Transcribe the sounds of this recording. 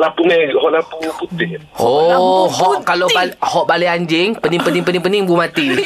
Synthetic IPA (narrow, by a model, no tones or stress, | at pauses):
lapumɛɡhɔʔlapuput̪ɪhhɔohɔʔkaloalhɔʔbaliaɲd͡ʒɪŋpənɪŋpənɪŋpənɪŋpənɪŋbumat̪i